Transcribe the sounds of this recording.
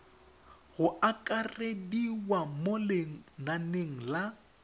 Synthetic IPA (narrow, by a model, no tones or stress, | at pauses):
ɣʊʔakʼarediwamoleŋ̩naneŋ̩la